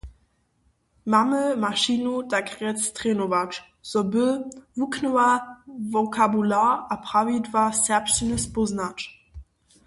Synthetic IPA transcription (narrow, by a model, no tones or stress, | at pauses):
maməmaʃinodaɡʁɛt͡stʁ̥eːnovat͡ʃ | z̥ɔbəvuknoavokʰabulaːapʁ̥avidvasɛɐpʃənəsboznat͡ʃ